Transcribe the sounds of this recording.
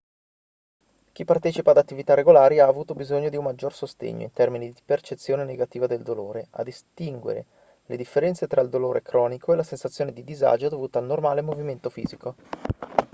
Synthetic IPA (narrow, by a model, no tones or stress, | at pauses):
k̟ipːart̪ɛːt͡ʃipaːd̪at̪ːivit̪areɡolaːɾiaːvuːt̪obizoɲːod̪iumːad͡ʒːorsost̪ḛɲːo̰int̪ɛrminid̪ipert͡ʃet̪sːjoːneneɡat̪iːvad̪eld̪oloːɾeʔa̰d̪ist̪iŋɡwḛɾḛ | led̪ifːeɾɛnt̪set̪ɾaild̪oloːɾekɾɔːnikoelasensat̪sːjoːned̪id̪iza̰ːd͡ʒod̪ovuːt̪aːlnormaːlemoviment̪ofḭːziko